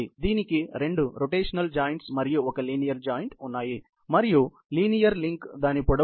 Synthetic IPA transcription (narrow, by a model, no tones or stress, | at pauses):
id̪iːnikiɾe̞ɳɖuɾoʈeːʂɐnɐld͡ʒaːjɐɳʈsmɐɾijuɔkɐliːnijɐɾd͡ʒaːjɐɳʈunːaːji | mɐɾiju | liːnijɐɾliŋkd̪aːnipɔɽɐ